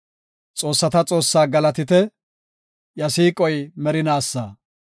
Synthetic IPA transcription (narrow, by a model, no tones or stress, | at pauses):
t͡sʼo̞ːsːɐt̪ɐt͡sʼo̞ːsːaːɡɐlɐt̪ɪt̪ɛ | jɐsiːkʼɔjmɛɾɪnaːsːaː